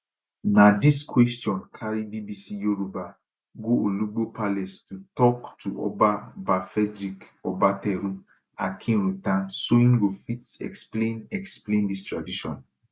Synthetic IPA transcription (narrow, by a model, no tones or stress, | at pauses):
nãdiskwɛstjɔ̃nkʰaɾibibisijoɾuba | ɡooluɡ͡bopalɛstutɔktuɔ̰babafɛdɾikɔbatɛɾũ | a̰kʰĩɾ̃ũtãsoĩnɡofitɛ̰ksplẽnɛksplẽndistɹadiʃɔ̃n